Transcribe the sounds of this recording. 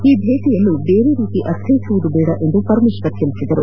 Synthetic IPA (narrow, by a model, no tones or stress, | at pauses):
iːb̪ʱeːʈijɐlːubeːɾeɾiːt̪iʔɐt̪ʰːet͡ʃuʋud̪ubɛːɽɐʔe̞nd̪upɐɾmiʃkɐt̪jɐlisid̪ɐɾu